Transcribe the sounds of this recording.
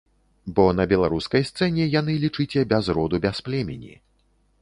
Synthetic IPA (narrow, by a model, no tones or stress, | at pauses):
bɔn̪ɐbʲɛlˠaɾuskɐjst̪sɛnʲɛjan̪ɨlʲit͡ʂɨt͡sʲɛbʲazɾɔd̪ubʲasplʲɛmʲḛnʲḭ